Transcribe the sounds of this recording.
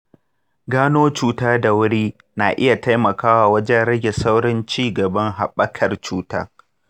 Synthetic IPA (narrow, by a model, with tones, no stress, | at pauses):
ɡaː˦noː˦t͡ʃuː˦taː˦da˨wʊ˦ɽiː˦ | naː˨ʔɪ˦ja˨ta˦jmɐ˨kaː˦waː˨wɐ˦d͡ʒɛ˦nɽɐ˦ɡʲe˨sa˦wɽɪ˦nt͡ʃiː˦˨ɡɐ˨bɐ˦ŋɦa˨ɓɐ˦kʰɐ˨rt͡ʃuː˦ta̰ː˦